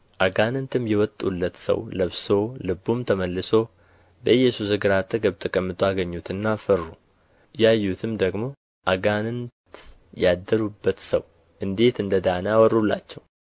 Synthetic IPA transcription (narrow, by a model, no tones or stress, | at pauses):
ʔaɡanɨnt̪ʰɨmjɛwɔt̪ʼːṵlːət̪sə̰wləβso̞lɨbumt̪ʰəməlːɨso̞ | bəɨjːɛsuzɨɡɨɾat̪ʰːəɡəβt̪ʰəkʼəmːɨt̪ʰʼoaɡəɲːut̪ɨnːafərːu | jajːut̪ʰɨmd̪əɡmo̞ | ʔaɡanɨnt̪ | jad̪ːəɾubːət̪sə̰w | ʔɨnd̪e̞t̪ɨnd̪əd̪anəawɔrulːa̰t͡ʃːɛw